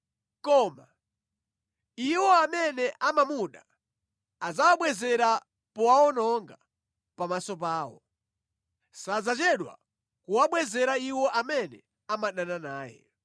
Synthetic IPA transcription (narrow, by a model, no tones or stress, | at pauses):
kɔːma | iwɔamɛnɛʔamamuɗa | azawaɓwɛzɛɾa | pɔwaɔnɔŋɡa | pamasɔp̬aːwɔ̰ | sad͡zat͡ʃɛɗwa̰ | kuwaɓwɛzɛɾaiwɔʔamɛnɛ̰ | amaɗananaːjɛ̰